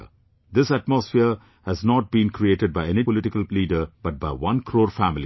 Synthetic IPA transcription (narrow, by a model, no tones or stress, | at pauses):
d̪ɪsæʈ̚mɔsfiəɾ | hæznɔːʈ̚bĩːnkɾieːʈəɖ̚baɪẽnipɔlɪʈɪkəlliːɖəɾb̥ʌʈ̚baɪʋʌ̃nkʰɾoːɾfæmɪli